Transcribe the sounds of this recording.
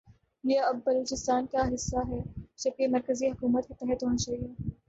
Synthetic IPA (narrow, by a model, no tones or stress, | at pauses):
jeɐbːɐloːt͡ʃɪst̪aːnkaɦɪsːaɦɛd͡ʒɐb̚kemɐɾkəziɦɐkuːmət̪ket̪ɛɦɛt̪ɦoːnat͡ʃaːɦieː